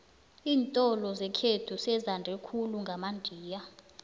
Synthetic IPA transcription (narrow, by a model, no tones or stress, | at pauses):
iːntʼɔlɔzɛkʰetʰusɛzandʱɛkʰuluŋɡʱamandʱiːja